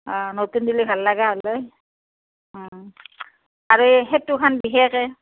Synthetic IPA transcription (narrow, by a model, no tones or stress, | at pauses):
ɔ̃notundilibʱalːaɡaɦolej | ɔ̃ | aɹuɦɛtukʰanbixɛxɛ